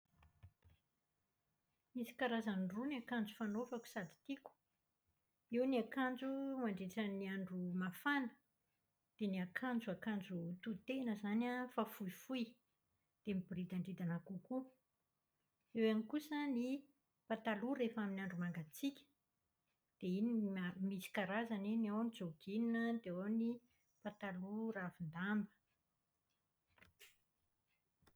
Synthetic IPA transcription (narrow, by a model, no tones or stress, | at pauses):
misi̥kaɾazanruniakand͡zu̥fanofaku̥sad̪i̥t̪iku̥ | iwniakand͡zumaɳɖ͡ʐeʈ͡ʂəniaɳɖ͡ʐumafanə̥ | d̪̥eniakʰand͡zuakand͡zut̪ut̪enəzanafafuifuj | d̪̥emibrid̪aɳɖ͡ʐid̪anakuku | ewanikusəni | pat̪aluɾefaminaɳɖ͡ʐumaŋɡat͡sikʲə̥ | d̪̥einimisi̥kaɾazaniniawnid͡zoɡininəd̪eawni | pat̪aluɾavind̪ambə̥